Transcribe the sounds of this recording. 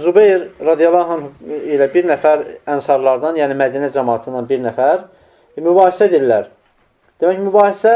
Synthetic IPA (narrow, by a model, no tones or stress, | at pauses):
zubejɾɾɑd̪ijɑlˠːɑːɦɑnilæbiɾnæfæɾænsɑɾlˠɑɾd̪ɑnjæːnimæd̪inæd͡ʒɑmɑːt̪ʰɯnd̪ɑnbiɾnæfæɾ | mybɑːhisæd̪iɾlæɾ | d̪̥emæcmybɑːhisæ